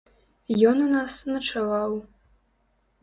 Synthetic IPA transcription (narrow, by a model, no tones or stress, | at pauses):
jonɨnasɨnɐʈ͡ʂʰɐwaw